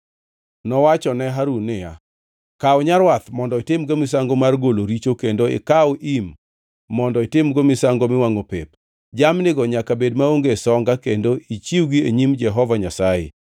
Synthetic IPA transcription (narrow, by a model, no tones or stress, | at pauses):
nɔwat͡ʃɔnɛɦaɾunɪja | kaʊɲaɾwat̪mɔndɔɪtɪmɡomɪs̬aŋɡomarɡoloɾit͡ʃokendoɪ̰kaoʔimː | ɔndɔɪtɪmɡomɪsaŋɡomɪwaŋopep | d͡ʒamnɪɡɔɲakabedmaoŋɡesɔŋɡakendoit͡ʃiwɡieɲimd͡ʒɛɦɔvaɲasaḛ